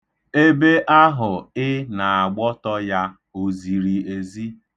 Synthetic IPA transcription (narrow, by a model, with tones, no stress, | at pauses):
e˦be˦ʔa˦ɦʊ˨ɪ˦na˨a˨ɡ͡bɔ˦tɔ˦ja˦ | o˨zi˨ɾi˨e˨zi˦